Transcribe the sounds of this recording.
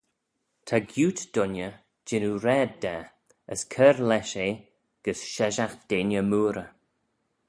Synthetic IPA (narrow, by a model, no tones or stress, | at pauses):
t̪ʰaɡjuːt̪d̪̥ʊnjə | d͡ʒɪnuɾɛːd̚dɛ | əskʰɛɾlɛʃeː | ɡ̥əsʃɛʒaxd̪̥eːnjəmuːɾə